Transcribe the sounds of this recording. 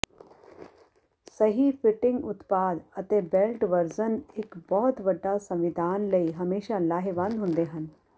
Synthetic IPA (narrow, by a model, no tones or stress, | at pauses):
sɐɦifɪʈɪ̃ŋɡʊt̪paːd̪ɐt̪ebelʈʋɐɾzənɪkbɔɦʊt̪bɐɖːasɐ̃mʋɪd̪ʱaːnlɐiɦɐmeːʃalaːɦeʋɐ̃nd̪ɦʊ̃nd̪eɦɐn